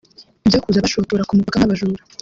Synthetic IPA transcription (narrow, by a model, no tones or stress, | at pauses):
ibjaːkuzaβaʃotoɾakumuβakanaβaʒuɾa